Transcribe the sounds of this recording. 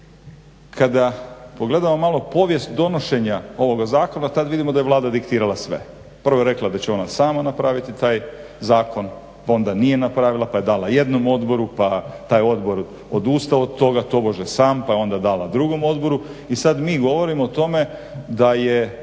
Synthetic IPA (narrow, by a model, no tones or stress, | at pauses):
kʰad̪apo̞ɡle̞d̪amomalˠo̞po̞ʋje̞st̪d̪o̞no̞ʃe̞ɲao̞ʋo̞ɡazaːko̞nat̪ad̪ʋid̪imo̞d̪ajelˠaːd̪ad̪ikt̪iːɾalˠasʋḛ | pɾr̩ʋojeɾe̞klˠad̪at͡ɕeo̞nasaːmanapɾaʋit̪it̪aːj | zaːko̞n | pao̞nd̪anijenapɾaːʋilˠapaje̞d̪aːlaje̞d̪no̞mo̞d̪bo̞ɾupat̪aːjo̞d̪bo̞ɾ | od̪uːst̪aod̪t̪o̞ɡat̪o̞bo̞ʒesaːmpajeo̞nd̪ad̪aːlˠad̪ɾuɡo̞mo̞d̪bo̞ɾuisad̪miːɡo̞ʋo̞ɾimoːt̪o̞me̞ | d̪aje